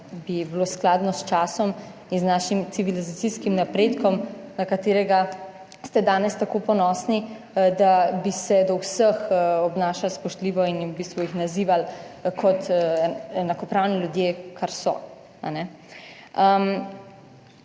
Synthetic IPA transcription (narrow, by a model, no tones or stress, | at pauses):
bibiloːsklad̪nɔst͡ʃaːsɔm | inznaːʃimt̪siʋilizat̪siskimnapɾeːt̪kɔmnakat̪eːɾɛɡa | st̪ɛd̪aːnɛst̪akoːpɔnɔsni | d̪abisɛd̪ɔwsəxɔbnaːʃalspɔʃt̪liːʋɔinwbist̪ʋuixnaziːʋalkʰɔt̪ | ɛnakɔpɾawniljud̪jeːkʰaɾsɔ̰ | a̰nɛ | əm